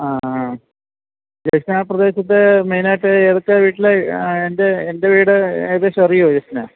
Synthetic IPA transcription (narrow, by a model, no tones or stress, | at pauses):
aː | d͡ʑɐjsnaːprɐd̪e̞ːɕɐt̪̬ːemejnaːʈːɨeːðɐkːɐʋiːʈːileende̞ːnde̞ʋiːɽɨeðeɕɐrijod͡ʑesna̰ː